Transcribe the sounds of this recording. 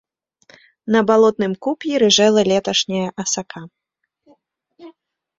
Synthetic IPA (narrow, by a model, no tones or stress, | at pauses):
nɐbalˠɔt̪̚nɨmkupʲjiɾɨʐɛlˠɐlʲɛt̪ɐʂnʲɐjɐʔɐsakʰa